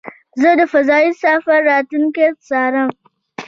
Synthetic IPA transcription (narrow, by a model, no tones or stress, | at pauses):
zadafɐzaːjɪsaːɸɐɾaːtʊŋketsaːɽɐŋ